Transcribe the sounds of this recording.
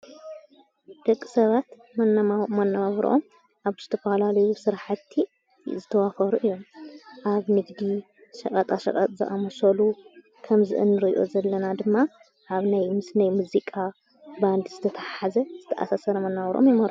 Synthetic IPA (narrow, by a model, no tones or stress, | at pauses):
d̪̥ɐkʼːi̥sɐβat̪ | mɐnːaβɾ̰ʔo̞̰m | ʔaβz̥ɨt̪ʰɐfɐlalɐjusɨɾħat̪ʰːi | zɨt̪ʰɐwafɐɾuʔɨjːo̞mʔaβmɨɡd̪i | ʃɐχʼɐt̪ʼaʃɐ̰kʼɐ̰t̪ʼzɨ̰ʔa̰mɐsɐlu | kʰɐmzɨ̰ʔɨ̰nːɨɾɨʔḭʔo̞̰zɐlːɐnad̪ɨmːa | ʔaβnajmɨsnajmuzikʼa | band̪zɨt̪ʰɐt̪ʰaħħazɐz̥ɨt̪ʰɐʔa̰sasɐɾɐmɐnːaβɾʔo̰mjɪmɐɾ